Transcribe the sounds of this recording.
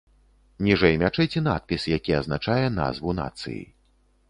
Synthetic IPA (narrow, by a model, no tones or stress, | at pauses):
nʲiʐɛjmʲat͡ʂɛjt͡sʲɛn̪a̰t̪̚pʲisjakʲiɐznat͡ʂajɛna̰zvuna̰t̪sɨ̰jḭ